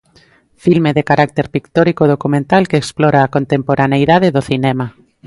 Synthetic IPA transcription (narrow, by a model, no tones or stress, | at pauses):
filmeðekaɾak̚t̪eɾpikt̪oɾikoðokumẽnt̪alkeeksplɔɾaːkont̪empoɾʔanejðaðeðoθinɛma